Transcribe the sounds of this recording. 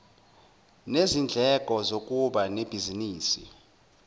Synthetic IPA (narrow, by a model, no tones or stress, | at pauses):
nezind͡ɮʱɛkʼɔzokʼuɓaneb̥ʱiziniːsḭ